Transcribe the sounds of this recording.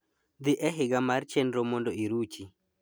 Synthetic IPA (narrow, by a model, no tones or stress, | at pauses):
d̪ɪʔɛɦɪɡamart͡ʃɛndɾomondoiɾut͡ʃi